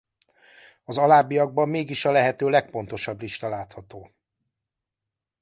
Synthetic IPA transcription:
ɒzɒlaːbijɒɡ̚bɒmːeːɡiʃɒlɛɦɛt̪øːlɛk̚po̞n̪t̪o̞ʃɒbliʃt̪ɒlaːt̪hɒt̪oː

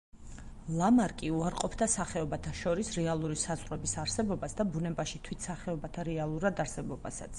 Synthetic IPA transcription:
lˠamaɾkʼiuaɾqʼɔpʰd̪asaχɛɔbat̪ʰaʃɔɾisɾɛalˠuɾisazʁʼɾɛbisaɾsɛbɔbasd̪abunɛbaʃit̪ʰwit̪ʰsaχɛɔbat̪ʰaɾɛalˠuɾad̪aɾsɛbɔba̰sa̰t̪sʰ

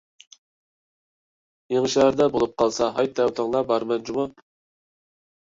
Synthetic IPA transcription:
jeŋʃɛɾd̪ɛbolˠup̚qʰɑlˠsɑɦɑjt̪ːɛwt̪ʰɑŋlˠɑbɑɾmɛnd͡ʒumɑ

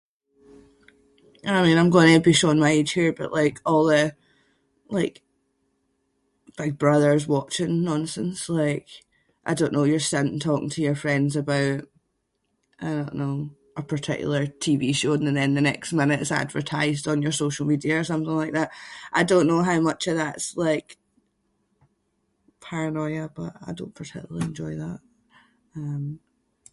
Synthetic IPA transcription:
əaɪmĩnãɪ̃mɡɔɪ̃nəəbiʃoə̃nmaɪed̥ʒ̥hiɹb̥ʌ̰ʔlˠaɪkʰɔlˠðə | lˠaɪk | b̥ɪɡ̚bɹʌðə˞zwɔt͡ʃɪ̃ŋnɔ̃nsə̃nslˠaɪk | ʔaɪdõnːojə˞sʌ̃nntʰɔkɪ̰̃ŋtʰəjə˞fɹɛ̃ndzəbaʊʔ | aɪdõnːo | ʔəpʰə˞tʰɪ̰kj̰l̩ˠə˞tʰiviʃõnə̃nðɛ̃nðənɛksmɪ̃nɪʔsa̰dvə̰˞tʰaɪzdn̩jə˞soʃl̩ˠmidiə˞s̬ʌ̃mθɪ̃ŋlˠaɪk̚ðaʔʔaɪdõnːoɦaʊmʌt͡ʃəvðatslˠaɪk | pʰaɹənɔɪəb̥ʌ̰ʔa̰ɪdõ̰npʰə˞tʰɪ̰kjˠəlˠiɛ̃nd͡ʒɔɪðaʔ | ʌ̃m

